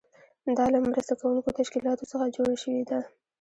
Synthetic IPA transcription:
d̪ɑlamɾəst̪akawuŋkot̪aʃkilɑt̪osəxad͡ʒoɽaʃəwed̪a

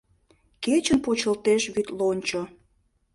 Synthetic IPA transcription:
ket͡ɕənpot͡ɕəlt̪eʃβyt̪lonʲt͡ɕo

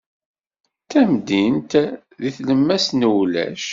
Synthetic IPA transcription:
θæmd̪int̪ | ðiθləmːæsnəwlæ̰ʃ

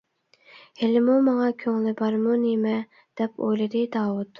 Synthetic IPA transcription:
helɪmumɑŋɑkʲʰøŋlɪbɑɾmunemɛ | d̪̥ɛpʰo̰jlɨd̪ɪd̪ɑːwut̪

